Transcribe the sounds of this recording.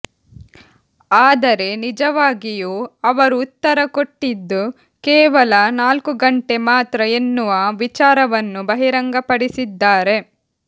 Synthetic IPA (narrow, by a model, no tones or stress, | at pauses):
aːd̪ɐɾe̞nid͡ʒɐʋaːɡijuːɐʋɐɾuːt̪ːɐɾɐko̞ʈːid̪ːu | kɛːʋɐlɐnaːlkuɡɐɳʈe̞maːt̪ɾɐe̞nːuʋɐʋit͡ʃaːɾɐʋɐnːubɐɦiɾɐŋɡɐpɐɽisid̪ːaːɾe̞